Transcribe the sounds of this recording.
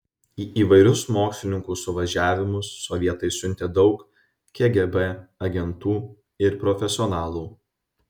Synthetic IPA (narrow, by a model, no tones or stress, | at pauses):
iːʔiːʋɐɪɾʲʊsmoːksʲlʲɪnʲɪŋkuːsʊʋɐʒʲæːʋʲɪmʊsːɔʋʲiɛt̪ɐɪsʲʊnʲt̪ʲeːd̪ɒʊk | kʲɛɡʲɛbɛɐɡʲɛnt̪uː | ɪɾpɾɔfʲɛsʲɪɔnɑːlˠuː